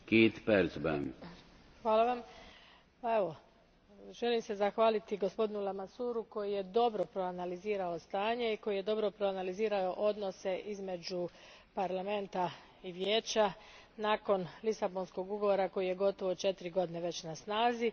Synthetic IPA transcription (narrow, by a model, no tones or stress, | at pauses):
kiːt̪peɾzbɛ̰n | xʋaːlˠaʋam | pae̞ʋo̞ | ʒe̞limse̞zaxʋaːlit̪iɡo̞spo̞d̪inulamasuːɾuko̞jije̞d̪o̞bɾo̞pɾoanaliziːɾao̞st̪aːɲe̞iko̞jije̞d̪o̞bɾo̞pɾo̞analiziːɾao̞ʔo̞d̪no̞se̞ʔizme̞d͡ʑu | paɾlame̞nt̪a | iʋje̞ːt͡ɕanaːko̞nlisabo̞nsko̞ɡuɡo̞ʋo̞ːɾako̞jije̞ɡo̞t̪o̞ʋot͡ʃe̞t̪iɾiɡo̞d̪ine̞ʋe̞t͡ɕnasnaːzi